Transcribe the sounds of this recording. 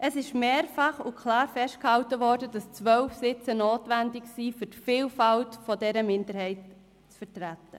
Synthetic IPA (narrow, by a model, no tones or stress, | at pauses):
ʔəsɪʃmeːɾfɑχʊkʰlɑːɾfɛst̚khɑltəʋɔːɾdəd̥ɑst͡sʋœlfsɪt͡sənoːtʋændɪksiːfytfiːlfɑltfɔdɛɾəmɪndəɾhɛɪt̚ | t͡sfəɾtɾætə